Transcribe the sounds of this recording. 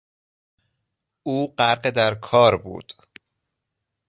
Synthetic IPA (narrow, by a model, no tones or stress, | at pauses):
ʔuːɢæɾɢed̪æɾkʰɒːɾbṵːd̪̥